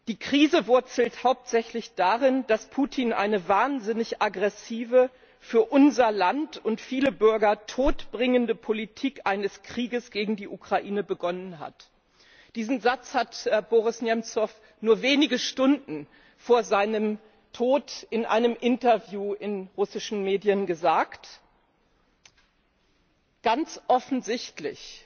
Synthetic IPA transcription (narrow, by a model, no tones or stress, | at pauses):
d̥iːkʁ̥iːzəvʊɐt͡sl̩thaʊp̚tz̥ɛçlɪçd̥aʁɪnd̥aspʰuːtʰiːnʔa̰ɪnəvaːɐnzɪnɪçʔaɡʁɛsiːvə | fyːɐʔʊnzɐlantʊntfiːləbʏɐɡɐtʰoːtb̥ʁɪŋəndəpʰolitʰiːkʔaɪnəskʁ̥iːɡəsɡ̥eːɡŋ̩diːʔukʁ̥aʔiːnəbəɡɔnənɦa̰t | d̥iːzn̩zat͡shatb̥oʁ̞ɪsnjɛmt͡sɔf | nuːɐveːnɪɡəʃtʊndn̩ | foːɐzaɪnəm | tʰoːtɪnʔa̰ɪnəmʔɪntɐvjuːɪnʁʊsɪʃn̩meːdjənɡəzaːkt | ɡ̥ant͡sʔɔfn̩zɪçtlɪ̰ç